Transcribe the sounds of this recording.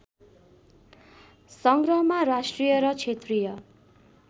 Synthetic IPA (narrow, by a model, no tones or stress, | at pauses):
sʌŋɡrʌɦmaɾasʈrijʌɾʌt͡sʰet̪rijʌ